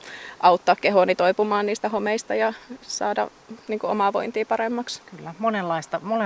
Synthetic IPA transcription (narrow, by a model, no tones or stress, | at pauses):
ʔɑut̪ːɑːkkeɦonit̪oipumɑːnniːst̪æhomeist̪ɑjɑsɑ̰ːdɑ̰ | niːŋkuo̰mɑʋo̰int̪iːpɑremːɑkskylːæmonelːɑist̪ɑmole